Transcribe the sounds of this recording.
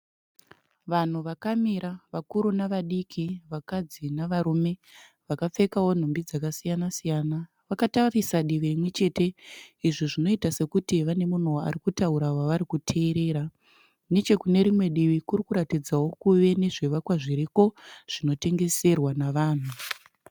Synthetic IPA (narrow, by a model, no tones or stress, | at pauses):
ʋan̤uʋakamiɾaʋakuɾunaʋaɗikʰiʋakad͡zinaʋaɾume̞ʋakap͡fe̞kawo̞n̤ombid͡zakasijanasijana | ʋakatarisaɗiʋeimwe̞t͡ʃe̞te̞iʐiʐino̞itase̞kutiʋane̞mun̤ua̰ɾikutauɾawaʋaɾikutʰe̞ːɾe̞ːɾa | ne̞t͡ʃe̞kune̞ɾimwe̞ɗiʋikurikuɾatid͡zawo̞kuʋe̞ne̞ʐe̞ʋakwaʐiɾiko̞ʐ̥ino̞te̞ŋɡe̞se̞rwanaʋaːn̤u